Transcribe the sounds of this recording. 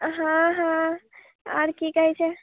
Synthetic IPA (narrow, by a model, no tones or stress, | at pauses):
ɦãɦã | aɾkikəɦɛt͡ʃʰɛ